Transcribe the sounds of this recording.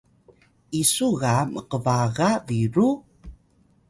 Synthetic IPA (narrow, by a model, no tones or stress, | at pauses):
isuɣaməqəvaɣaviɾu